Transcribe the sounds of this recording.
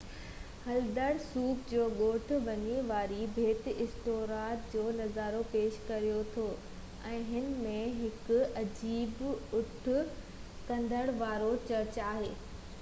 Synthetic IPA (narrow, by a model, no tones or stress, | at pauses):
hɐld̪əɽ̃suːkd͡ʑoːɠoːʈʰʊ̆ʋɐɲeʋaːɾibʱeːt̪ɪɪsʈoːɾaːɾd͡ʑoːnɐzaːɾopeːʃkɐɾijot̪ʰoː | ɛ̃ːɦɪnmẽɦɪkʊ̆ɐd͡ʑiːbʊʈʰʊ̆ | kɐ̃nd̪ʱəɽ̃ʋaːɾot͡ɕɐɾt͡ɕaːɦeː